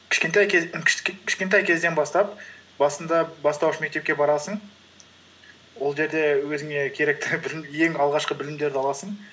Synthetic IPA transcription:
kʲʰɪ̥ʃkʲe̞nt̪ɑjkʲʰekʲʰɪ̥ʃkʲe̞nt̪ɑjkʲʰe̞zd̪e̞nbɑst̪ɑp̚ | bɑsənd̪ɑbɑst̪ɑwʃme̞kt̪e̞p̚kʲe̞bɑɾɑsəɴ | wolˠʒe̞ɾd̪e̞wɵzɪŋe̞kʲʰe̞ɾe̞k̚t̪ɪbɪlɪje̞ŋɑlˠʁɑʃqəbɪlɪmd̪e̞ɾd̪ɪɑlˠɑsəɴ

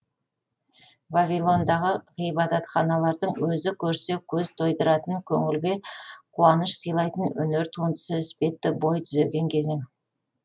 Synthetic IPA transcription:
vavʲilˠo̞nd̪ɑʁəʁijbɑt̪ɑt̪χɑnɑlˠɑɾd̪əɴwɵzɪkʲʰɵɾse̞kʲʰɵzt̪ʰo̞jd̪əɾɑt̪əŋkʲʰɵŋɪlɡʲe̞qʰuɑnəʃsəjlˠɑjt̪ənwɵ̰ne̞ɾt̪ʰund̪ə̥səɪspe̞t̪ːɪbo̞jt̪ʰʏze̞ɡʲe̞ŋkʲʰe̞ze̞ŋ

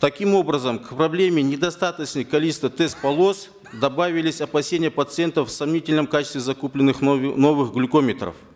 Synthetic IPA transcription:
t̪ɐkʲimo̞bɾəzəmkpɾɐblʲemʲɪnʲɪd̪ɐst̪at̪ət͡ɕnɨjkɐlʲist̪vət̪ɛspɐlˠo̞s | d̪ɐbavʲɪlʲɪsʲɐpɐsʲenʲɪjəpət̪sɨɛnt̪əffsɐmnʲitʲɪlʲnəmkat͡ɕɪ̥st̪vʲɪzɐkuplʲɪnːɨxno̞vɨxɡlʲɪkomʲɪt̪ɾə̰f

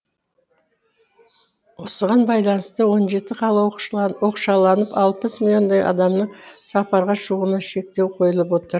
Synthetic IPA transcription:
wo̞səʁɑnbɑjlˠɑnəst̪əwo̞nʒe̞t̪ɪqʰɑlˠɑwo̞qʃɑlˠɑnəpɑlˠpəsmʲilʲjo̞nd̪ɑjʔɑ̰d̪ɑmnəɴsɑpɑɾʁɑʃuʁənɑʃe̞k̚t̪e̞wqʰo̞jəlˠəpwo̞t̪əɾ

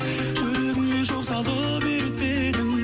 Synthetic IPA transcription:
ʒɵɾɡʲɪŋmenʃoqsɑd̪ə | beɾɪt̪ːe | d̪ɪŋ

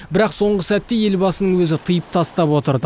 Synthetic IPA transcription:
bɪɾɑqso̞ɴʁəsæt̪ːe̞je̞lbɑsənəɴwɵzɪt̪ʰɨjəp̚t̪ʰɑst̪ɑpwo̞t̪əɾd̪ə

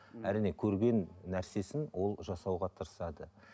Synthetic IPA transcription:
æɾijne̞kʲʰɵɾɡʲe̞nːæɾse̞sɪnwo̞lˠʒɑsɑwʁɑt̪ʰəɾəsɑd̪ə

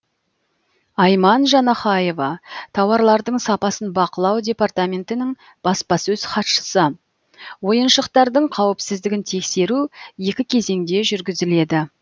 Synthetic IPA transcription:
ɑjmɑnʒɑnɑχɑje̞vɑt̪ʰɑwɑɾlˠɑɾd̪əɴsɑpɑsənbɑqəlˠɑwdʲe̞part̪amʲe̞nt̪ɪnɪŋ | b̥ɑspɑsɵzχɑt̪ʃə̥sə | wo̞jənʃəqt̪ɑɾd̪əɴqʰɑwəpsɪzd̪ɪɡʲɪnt̪ʰe̞kse̞ɾuje̞kʲɪkʲʰe̞ze̞ŋd̪e̞ʒʏɾɡʲɪzɪle̞d̪ɪ

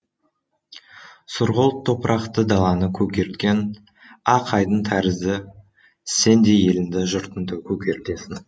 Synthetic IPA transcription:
sʊɾʁolˠt̪ʰːo̞pɾʔɑqt̪əd̪ɑlˠɑnəkʲʰɵkʲe̞ɾt̪kʲe̞n | ɑqʰɑjd̪əɴt̪ʰæɾɪzd̪ɪ | se̞nd̪e̞je̞lɪmd̪ɪʒʊɾt̪ənd̪əkʲʰɵkʲe̞ɾt̪e̞sɪn

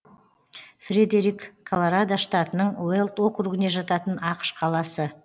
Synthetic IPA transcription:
frʲed̪e̞ɾikːʰolˠoɾad̪aʃt̪at̪ənəɴwelˠt̪o̞kɾuɡɪne̞ʒɑt̪ɑt̪ənɑqʃqʰɑlˠɑsə

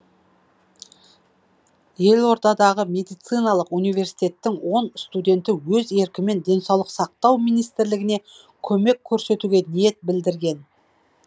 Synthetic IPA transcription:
je̞lwo̞ɾt̪ɑd̪ɑʁəmʲe̞d̪ijt̪sɨjnɑlˠəqunijve̞ɾsi̥jt̪e̞t̪ːɪŋwo̞nst̪ud̪e̞nt̪ɪwɵze̞ɾkʲɪme̞nd̪e̞nsɑwlˠəqsɑq̚t̪ɑwmijnijst̪ɪɾlɪɡʲɪne̞ | kʲʰɵme̞kʲʰːɵɾse̞t̪uɡʲe̞nije̞t̪̚bɪld̪ɪɾɡʲe̞n

